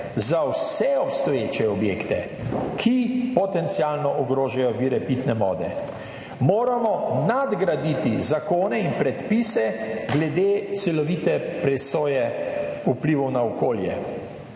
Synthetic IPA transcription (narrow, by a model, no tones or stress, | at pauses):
zawsɛɔpst̪ɔjet͡ʃɛɔbjeːkt̪ɛ̰ | kʰipɔt̪ɛnt̪sialnɔʔɔɡɾoːʒajɔʋiːɾɛpit̪nɛmɔ̰ːd̪ɛ̰ | moːɾamɔnad̪ɡɾad̪it̪izakoːnɛinpɾɛt̪pisɛɡlɛd̪eːt̪sɛlɔʋit̪ɛpɾɛsoːjɛupliʋɔwnaɔkoːljɛ̰